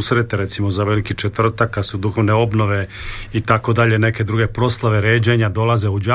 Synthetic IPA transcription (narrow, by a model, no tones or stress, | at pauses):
sɾet̪eɾet̪simo̞zaʋe̞likit͡ʃet̪ʋr̩t̪akːad̪sud̪uxo̞ʋne̞o̞bno̞ʋeit̪ako̞d̪aʎene̞ke̞d̪ɾuɡe̞pɾo̞slˠaʋeɾeːd͡ʑeɲad̪o̞lˠaze̞ud͡ʑa